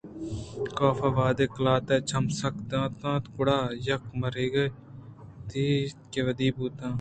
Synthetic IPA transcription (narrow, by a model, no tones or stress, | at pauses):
kaːfaːʋaːd̪eːklaːt̪eːt͡ʃʰɐmsɐkd̪ãːt̪ãːt̪kʊɽaːjɐkmɐɾiːɡɐ | t̪iːkeʋəd̪iːbuːt̪ãː